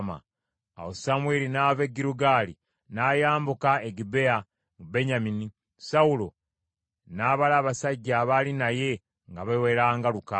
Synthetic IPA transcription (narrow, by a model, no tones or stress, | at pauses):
ma̰ | a̰wosamwelinaːveɡiɾuɡaːlḭ | naːjaːmbukaeɡibe̞a | ŋube̞ɲamini | saulo̞ | naːβalaːβasaɟːaːβalinaje̞ | ŋɡaβaweɾaːŋɡaluka